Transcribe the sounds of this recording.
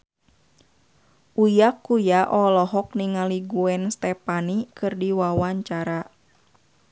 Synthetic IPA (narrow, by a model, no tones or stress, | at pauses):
ʔujakːujaʔɔlɔɦɔk̚niŋaliɡuɛnst̪ɛpanikɨrdiwawaɲt͡ʃaɾa